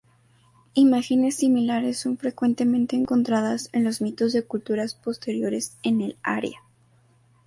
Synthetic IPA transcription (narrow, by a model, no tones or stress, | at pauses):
imaxene̞sːimilaɾe̞sːo̞nfɾe̞kwe̞nt̪e̞mẽ̞nt̪e̞ːŋko̞nt̪ɾaðasenlo̞zmit̪o̞zðe̞kult̪uɾaspo̞st̪e̞ɾjo̞ɾe̞se̞nela̰ɾj̰a